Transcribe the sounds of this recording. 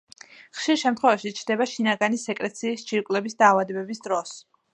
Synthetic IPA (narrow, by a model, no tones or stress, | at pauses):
χʃiɾʃɛmt̪ʰχwɛvaʃit͡ʃʰɾd̪ɛbaʃinaɡanisɛkʼɾɛt̪sʰiːst͡ʃʰiɾkʼlɛbisd̪aːvad̪ɛbɛbisd̪ɾɔs